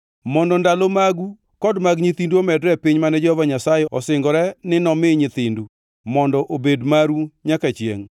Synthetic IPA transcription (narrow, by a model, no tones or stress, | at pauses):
mɔndɔndalɔmaɡu | kɔdmaɡɲit̪induomɛdɾɛpɪɲmanɛd͡ʒɔhɔvaɲasajɛɔ̰sɪŋɡɔɾɛnɪnɔmɪɲɪt̪indu | mɔndɔʔobedmaɾuɲakat͡ʃjḛŋ